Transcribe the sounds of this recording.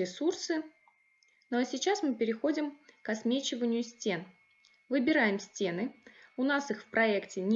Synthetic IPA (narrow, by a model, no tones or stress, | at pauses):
ɪsursɨ | nosʲɪt͡ɕasmɨpʲɪɾʲɪxo̞dʲɪmkɐsmʲet͡ɕɪvənʲɪjʊsʲtʲe̞n | vɨbʲɪɾajɪmsʲtʲe̞nɨʊnasɨxfpɾɐɛktʲɪnʲ